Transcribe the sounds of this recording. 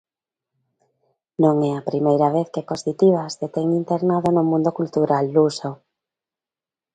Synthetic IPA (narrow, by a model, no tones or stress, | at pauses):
nõŋɛapɾimejɾaβ̞eθkekost̪it̪iβ̞asðet̪eŋint̪eɾnaðonomũnd̪okult̪uɾalːuso